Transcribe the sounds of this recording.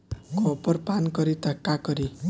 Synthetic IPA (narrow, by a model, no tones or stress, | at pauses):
kʰopʌrpankʌɾit̪ʌkːakʌɾi